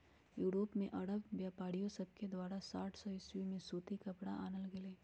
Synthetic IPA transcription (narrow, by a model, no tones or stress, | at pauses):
juːɾoːpmẽʔɐɽəbbjaːpaːɽijõsɐb̚ked̪waːɾasaːʈʰsɔɪswimẽsuːt̪ikɐpɽaʔaːnəlɡɪleː